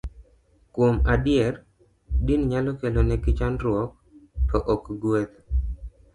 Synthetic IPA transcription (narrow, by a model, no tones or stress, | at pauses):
kwomadɪjɛr | dinɲalɔkelonɛɡɪt͡ʃanɾwɔk̚tɔʔɔkɡwet̪